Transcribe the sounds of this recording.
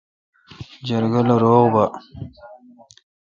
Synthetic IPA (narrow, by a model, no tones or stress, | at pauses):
d͡ʒaɾɡalaɾoːɣba